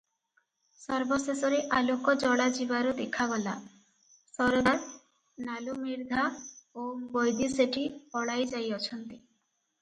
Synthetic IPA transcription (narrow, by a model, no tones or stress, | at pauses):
sɔɾbɔsesɔɾeʔalokɔd͡ʒɔɽad͡ʒibaɾud̪ekʰaɡɔla | sɔɾd̪aɾ | nalumiɾd̪ʱaobojd̪iseʈiɔɽajd͡ʒajɔt͡ʃʰɔnt̪i